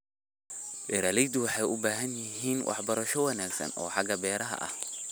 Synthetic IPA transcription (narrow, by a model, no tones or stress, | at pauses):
bɛɾaːlɛjd̪ʊwɑħɑjʔʊbaːɦɐnjɪɦiːnwʔɑ̰ħbɐɾɐʃɔwɑnaːɡsɐ̰nɔ̰ːħɑɡɐbɛːɾɐɦɐ̰ʔɐ̰h